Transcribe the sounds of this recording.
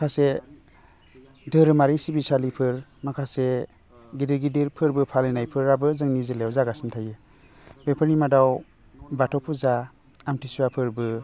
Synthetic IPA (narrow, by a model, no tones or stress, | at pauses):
kʰase | dɯɾɯmaɾisibisalipʰɯɾmakʰase | ɡidiɾɡidiɾpʰɯɾbɯpʰalenajpʰɯɾabɯzɯŋnizɯlewzaɡasintʰajɯ | bepʰɯɾnimadaw | batʰɔwpʰuza | amtʰisuwapʰɯɾbɯ